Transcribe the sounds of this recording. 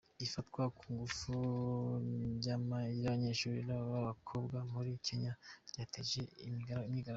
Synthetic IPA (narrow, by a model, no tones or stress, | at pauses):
ifatkwakʰuːŋɡufu | jamaɾaβaɲeʃuɾiɾaβaβakʰobɡamuɾikʰeɲaɾɟaːteʒeiimɲiɡaɾa